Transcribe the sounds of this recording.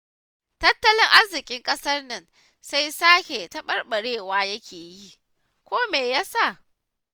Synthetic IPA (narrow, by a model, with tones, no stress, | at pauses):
tɐ˦tːɐ˦lɪ˦ŋʔa˦rzɪ˨kʲʼɪ˦ŋkʼɐ˦sɐ˦rnɐ˨n | sa˦jsaː˦kʲe˨tɐ˦ɓɐ˦rɓɐ˨ɽeː˦˨waː˦jɐ˦kʲʰeː˨ji˦ʔ | kʷoː˦meː˨ja˦sa˦˨ʔ